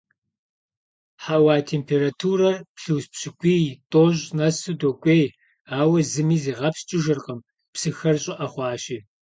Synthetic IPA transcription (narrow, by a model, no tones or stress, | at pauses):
ħawaːtʰeːmpʰeːɾatʰuːɾɐrpɬɨwspɕɪkʷʼiːtʼoʑnɐsudokʷʼeːj | aːwɐzɨmiːziːʁɐpst͡ʃʼɪʒɨrqəm | psɨxɐrɕʼɪʔɐχʷɑːʃiː